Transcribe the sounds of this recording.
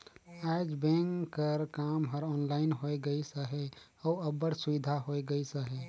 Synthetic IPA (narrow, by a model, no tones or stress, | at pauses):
aːd͡ʒbẽŋkəɾkaːmɦəɾɔːnlaːɪnɦoːeɡəisəɦe | ɔːəbəɽsʊʋɪd̪ʱaɦoːeɡəisəɦe